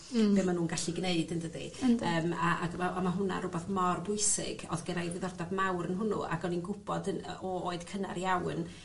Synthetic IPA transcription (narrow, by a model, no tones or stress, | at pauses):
bemanuːnɡaɬiɡneɨdəndədḭəːmaaɡaʔamaɦʊna̰ɾʊbɛθmɔrbʊɨsɪ̰ɡɔ̰ðɡəɾajwɪðɔrdavmawɾənɦʊnṵʔa̰ɡɔninɡʊb̥ɔdənɔoːɨð̥kʰəna̰ɾjawn